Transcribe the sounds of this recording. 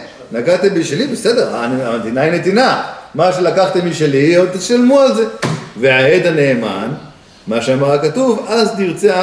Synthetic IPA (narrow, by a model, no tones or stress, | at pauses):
naɡat̪embiʃelibesed̪eʁanaet̪inaine̞t̪inamaʃelakaχt̪imiʃeliod̪̚t̪iʃalmualze̞veaed̪ane̞ːma̰n | maʃeamaʁakat̪uvaztiʁt͡sea